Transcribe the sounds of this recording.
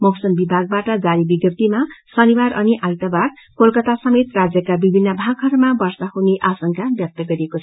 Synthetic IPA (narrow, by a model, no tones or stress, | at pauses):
mʌwsʌnbibʱaɡ̚baʈʌd͡zaɾibiɡjʌt̪imasʌniwaɾʌniʔajt̪abaɾ | kolkʌt̪asʌmet̪rad͡zjʌkabibʱinːʌbʱaɡɦʌɾmabʌrsʌhuneʔasʌŋkabjʌk̚t̪ʌɡʌɾiekot͡sʰʌ